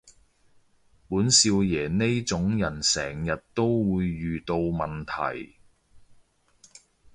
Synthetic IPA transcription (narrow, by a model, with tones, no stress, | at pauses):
puː˨˥nsiː˧wjɛː˨˩ne˥jt͡sʊ˨˥ŋjɐ˨˩nsɛ̰ː˨˩ŋjɐ˨t̚t̪o˥wwuː˨˧jːyː˨t̪o˧wmɐ˨nt̪ʰɐ̰˨˩j